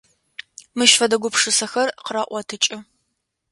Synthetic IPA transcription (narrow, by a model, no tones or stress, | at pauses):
mɨʃfɐdɐɡʷʊpʂɨsɐxɐrqəɾɐʔʷɔtʰɨt͡ʃʼɪ